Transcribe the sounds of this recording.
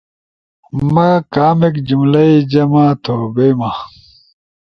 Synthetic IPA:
mɐkaːmekd͡ʑumlɐid͡ʑɐmat̪ʰoːbema

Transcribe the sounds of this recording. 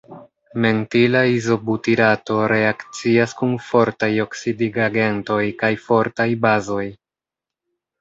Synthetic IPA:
me̞ntilaizo̞butiɾato̞ɾe̞akt͡siaskunfo̞ɾtajo̞ksidiɡaɡe̞nto̞jkajfo̞ɾtajbazo̞j

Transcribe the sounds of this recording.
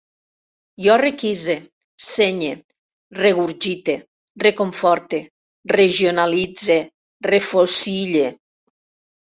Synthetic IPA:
jɔrekize | seɲe | reɣuɾʒit̪e | rekoɱfɔɾt̪e | reʒionalid͡ze | refosiʎe

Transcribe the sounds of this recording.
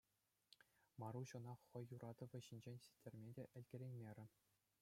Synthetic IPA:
mɑɾuɕɤ̆nɑχːɤ̆jːuɾʔɑd̪ɤ̆ʋʲɘ̆ɕinʲd͡ʑenʲsʲi̥tʲːĕrʲmʲedʲeʔɘ̆lʲɡʲĕɾʲenʲmʲeɾʲɘ̆

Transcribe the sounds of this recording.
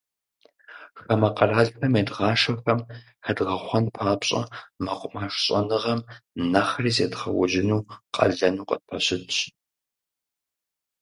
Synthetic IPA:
xɐmɐqɐraːɮxɐmeːdʁɑːʃɐxɐm | xɐdʁɐχʷɔnpʰaːpɕʼɐ̰mɐqʷʼʊmaːʂɕʼɐnɨʁɐmnɐxriːzeːdχɐ̰wʒɪnuːqʼɐ̰ɮɐnuːqʼə̰d̚pʰɐɕɪtɕʼ

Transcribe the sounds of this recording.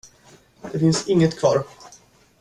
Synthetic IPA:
d̪̥ɛfɪnsɪŋːət̪kʰvɑːɾ

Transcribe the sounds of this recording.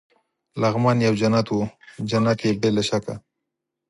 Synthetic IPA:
laɣmɑnjawd͡ʒanat̪wud͡ʒanat̪jebelaʃaka̰

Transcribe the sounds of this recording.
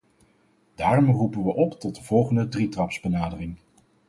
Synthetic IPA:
d̥aːrɔmrupənʋəʔɔptɔt̚dəvɔlˠχəndədritrɑpsbənaːdərɪŋ

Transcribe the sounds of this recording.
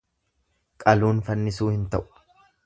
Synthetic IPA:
kʼɐluːnfɐnːɪsuːhɪnt̪ɐʔʊ̥

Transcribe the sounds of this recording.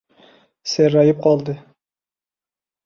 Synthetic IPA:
seɾɑjɨp̚qʰɑlˠd̪ɨ

